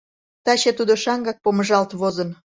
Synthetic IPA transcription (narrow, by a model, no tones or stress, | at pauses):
t̪ɑɕet̪ud̪oʃɑŋɡɑk̚poməʒɑlt̪βozən